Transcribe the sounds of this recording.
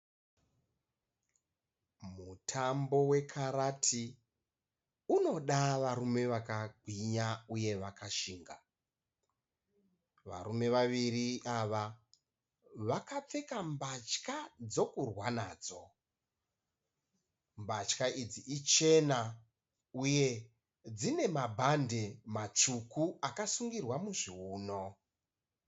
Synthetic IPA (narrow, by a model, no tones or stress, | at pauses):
mutʰambo̞we̞kʰaɾatʰi | uno̞ɗaʋaɾume̞ʋakaɡʱwiɲauje̞ʋakʰaʃiːŋɡa | ʋa̰ɾume̞ʋaʋiɾiʔaʋa | ʋakap͡fe̞kambat͡ʃkad͡zo̞kurwanaːd͡zo | mbat͡ʃkaid͡ziʔit͡ʃe̞na | uje̞ | d͡zine̞mabʱande̞mat͡ʂukuakasuŋɡirwamuʐiuːno̞